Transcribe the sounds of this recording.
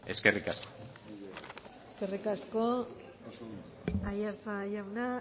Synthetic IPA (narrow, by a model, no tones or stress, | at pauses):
e̞ske̞rikasko | eske̞rikasko | ajaɾt͡sajawna